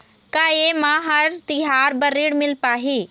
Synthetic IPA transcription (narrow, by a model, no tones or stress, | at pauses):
kaːjemãːɦɐɾt̪ɪɦaːɾbɐɾiːɽmɪlpaːɦiː